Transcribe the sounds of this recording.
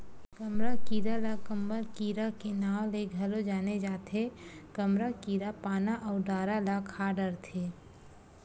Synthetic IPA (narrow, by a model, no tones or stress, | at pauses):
kɐmɾakiːɾalakəmbəlkiːɾakenaːwleɡʱɐlod͡ʒaːned͡ʒaːt̪ʰekəmɾakiːɾapaːnaʔɔːɾɖaːɾalakʰaːɖəɾt̪ʰeː